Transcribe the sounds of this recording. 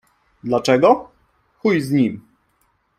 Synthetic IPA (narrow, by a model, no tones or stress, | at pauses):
d̪lat͡ʂɛɡɔ | xujzɲim